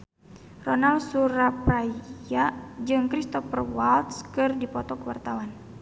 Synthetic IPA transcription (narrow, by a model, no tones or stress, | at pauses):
rɔnalsuɾapɾaiad͡ʒɨŋkɾist̪ɔfərwalt̪skɨrdipɔt̪ɔkəwart̪awan